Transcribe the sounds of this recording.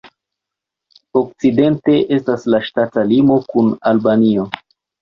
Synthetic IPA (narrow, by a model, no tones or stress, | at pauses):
ok̚t͡side̞nte̞ʔe̞staslaʃtatalimo̞kunalbanio̞